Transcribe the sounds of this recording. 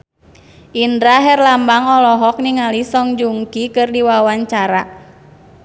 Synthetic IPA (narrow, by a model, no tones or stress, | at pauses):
ʔindɾaɦɛrlambaŋɔlɔɦɔk̚niŋalisɔŋd͡ʒuŋkikɨrdiwawaɲt͡ʃaɾa